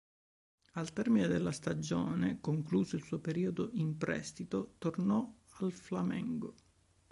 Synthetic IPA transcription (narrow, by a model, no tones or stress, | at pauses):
alt̪ɛrmined̪elːast̪ad͡ʒo̰ːnekoŋkluːzoilsuːopeɾiːod̪oʔimpɾɛ̰st̪it̪ot̪ornɔ | alflamɛ̰ŋɡo